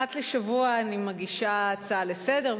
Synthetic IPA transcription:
at̪leʃavuaːnimaɡiʃat͡salese̞de̞ʁ

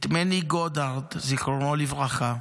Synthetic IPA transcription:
t̪meniɡod̪aʁd̪zikonolivʁaχa

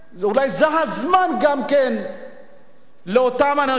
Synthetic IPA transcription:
ulajzeɦazmanɡamken | leotamana

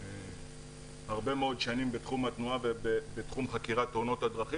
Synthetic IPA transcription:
haʁbe̞meo̞d̪ʃanimbet̪χumat̪nuaveebet̪χumχakiʁat̪ːono̞t̪had̪ʁaχi

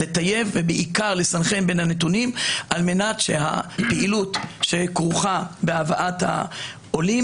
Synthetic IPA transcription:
let̪aje̞vːebeʔikaʁle̞sanχenbenhanet̪̬unimʔalme̞natʃe̞ha̰peʔilutʃekʁuχabeavaʔatha̰ | oli

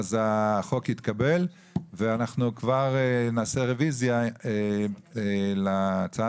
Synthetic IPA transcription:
zaχo̞khit̪kabe̞l | veanaχnukvaʁenaːseʁevizjae | lat͡saa

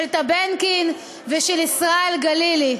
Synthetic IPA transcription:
lt̪abenkin | veʃelisʁaelɡalili

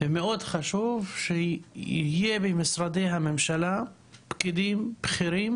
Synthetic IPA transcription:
vemeʔod̪χaʃuvʃeḭjebemisɾad̪ejɦamemʃala | bkid̪imb̥χiɾim

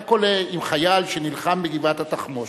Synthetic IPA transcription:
koleimχajalʃenilχambeɡivat̪hat̪aχmo

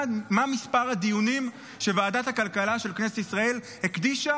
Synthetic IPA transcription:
mamispaʁhad̪ijunim | ʃe̞vaːdat̪hakalkalaʃelkneset̪isʁae̞l | hekd̪iʃa

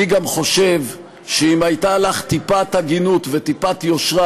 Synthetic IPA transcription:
iɡamχo̞ʃe̞v | ʃeimajt̪alaχt̪ipathaɡinut̪vet̪ipat̪jo̞ʃʁa

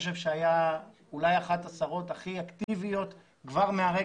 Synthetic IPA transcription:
ʃ̬e̞vʃeaja | ulajaχat̪asaʁo̞t̪aχiakt̪ivijo̞t̪ | kvaʁmeaʁe

